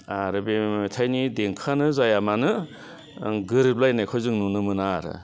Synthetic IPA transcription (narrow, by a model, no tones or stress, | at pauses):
aɾɯbetʰajnideŋkʰanɯzajamanɯ | ɡɯɾɯp̚lajnajkʰɔjzɯŋnunɯmɯnaɾɯ̰